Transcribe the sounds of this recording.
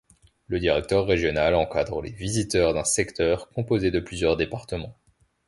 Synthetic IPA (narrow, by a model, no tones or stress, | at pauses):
ləd̪iʁɛk̚t̪œʁːeʒjɔnalɑ̃kad̪ʁəlevizit̪œʁd̪ɛ̃sɛkt̪œʁkɔ̃pozed̪əplyzjœʁd̪epaʁt̪əmɑ̃